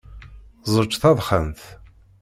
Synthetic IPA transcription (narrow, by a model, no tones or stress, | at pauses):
zˤət͡ʃːθɑðˤχənθ